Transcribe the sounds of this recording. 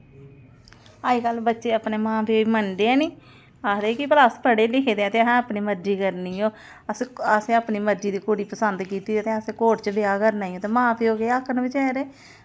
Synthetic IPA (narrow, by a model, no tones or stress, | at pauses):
aːiːkəlbətːʃeːəpneːmãːp̪iːiːməɳɖeɛːniː | ad̪eːkɪpəɾaspəɽeːlɪkʰeːd̪eɛːt̪eːɛ̃ːəpniːməɾd͡ʒiːkəɾniːoː | əsəsẽːəpniːməɾd͡ʒiːd̪iːkoːɽiːpəsənd̪kiːt̪iːeːt̪eːəseːkoːʈt͡ʃb̪eaːkəɾnaːiõːt̪eːmãːp̪ioːɡeːəkʰːənbɪt͡ʃɛːɾeː